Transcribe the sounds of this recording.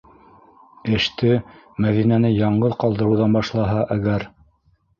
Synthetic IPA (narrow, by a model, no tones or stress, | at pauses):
ɘ̆ʃt̪ɘ | mæðinænɘjɑɴɢɤðqɑlˠd̪ɤ̆ɾɤ̆wðɑnbɑʃlˠɑɦɑʔæɡæɾ